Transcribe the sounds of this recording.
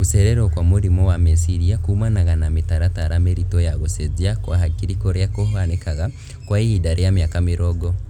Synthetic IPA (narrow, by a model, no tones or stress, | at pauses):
useɾeɾokwamuɾimowamesiɾiakuːmanaɣanamitaɾataɾameɾitojaɣuseziakwaɦakiɾikoɾjakohanekaɣa | kwaihidaɾejamjakamiɾoɡo